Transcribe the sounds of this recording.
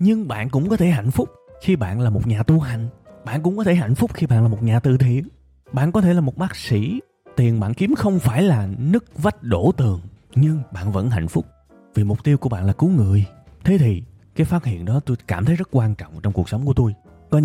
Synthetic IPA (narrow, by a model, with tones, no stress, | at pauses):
ɲɨ˧ŋɓa̰ː˧˨nkʊ̰˧˥ŋ͡mkɔ˨˦t̪ʰe˧˩ɦa̰˧˨jŋ̟fʊ˦˥k͡p̚xi˧ɓa̰ː˧˨nlaː˨˩mo˨˩t̚ɲaː˨˩t̪u˧ɦa˨˩jŋ̟ɓa̰ː˧˨nkʊ̰˧˥ŋ͡mkɔ˨˦t̪ʰe˧˩ɦa̰˧˨jŋ̟fʊ˦˥k͡p̚xi˧ɓa̰ː˧˨nlaː˨˩mo˨˩t̚ɲaː˨˩t̪ɨ˨˩t̪ʰḭ˧˨ən | ɓa̰ː˧˨nkɔ˨˦t̪ʰe˧˩laː˨˩mo˨˩t̚ɓaː˦˥k̚sḭ˧˩ | t̪i˨˩ənɓa̰ː˧˨nki˨˦əmxə˧wŋ͡mfaː˧˩jlaː˨˩nɨ˦˥k̚və˦˥t̚ɗo˧˩t̪ɨ˨˩əŋɲɨ˧ŋɓa̰ː˧˨nvə̰˧˥nɦa̰˧˨jŋ̟fʊ˦˥k͡p̚ | vi˨˩mʊ˨˩k͡p̚t̪i˧wku˧˩əɓa̰ː˧˨nlːku˨˦ŋɨ˨˩˨əjt̪ʰe˨˦t̪ʰi˨˩ | kaː˨˦jfaː˦˥t̚hḭ˧˨ənɗɔ˨˦t̪o˧jkaː˧˩mt̪ʰə˨˦jzə˦˥t̚kwaː˧nt͡ɕɔ̰˧˨wŋ͡mt͡ɕɔ˧ŋ͡mku˨˩əksə˨˦ŋ͡mku˧˩ət̪o˧j | kɔ˨˦